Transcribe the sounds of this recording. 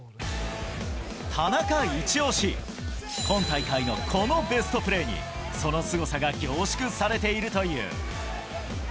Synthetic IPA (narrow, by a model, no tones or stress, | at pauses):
t̪ʰanakait͡ɕio̞ːɕi | kõ̞ŋt̪aikaino̞kʰo̞no̞be̞sɨ̥t̪o̞pɯ̟ɾe̞ːɲ̟ḭ | so̞no̞sɨɡo̞saɡaɡʲo̞ːɕi̥kɯ̟saɾe̞t̪e̞iɾɯ̟t̪o̞jɯ̟̰ː